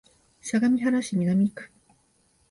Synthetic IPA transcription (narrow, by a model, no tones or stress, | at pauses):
ɕaɡamʲiɦaɾaɕimʲinamʲikɯ̥